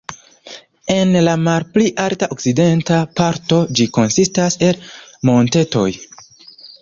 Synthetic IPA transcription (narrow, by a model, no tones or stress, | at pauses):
e̞nlamalpliʔaltaʔokside̞ntapaɾto̞d͡ʒiko̞nsistase̞lmo̞nte̞to̞̰j